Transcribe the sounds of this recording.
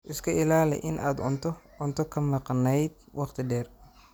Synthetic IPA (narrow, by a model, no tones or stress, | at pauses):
ʔɪskʰɐɪlaːlɛ̰ʔɪnʔaːd̪ʊnt̪ʰɔ | ʊnt̪ʰɔkʰɐmɑqnɛjd̪̚wɑqt̪ʰɪɖɛːr